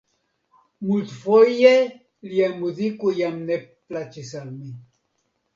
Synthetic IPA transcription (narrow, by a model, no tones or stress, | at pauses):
mut̪foje | ljemud̪ikujamneplat͡ʃisalmi